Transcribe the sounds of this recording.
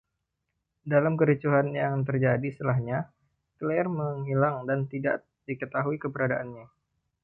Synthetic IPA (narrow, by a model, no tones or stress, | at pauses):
dalamkəɾit͡ʃuɦanjaŋt̪̬ərd͡ʒadist̪əlaɦɲa | t̪leɛrməŋɦilaŋdant̪ida̰ʔ | dikət̪aɦuikəpəɾadaʔanɲa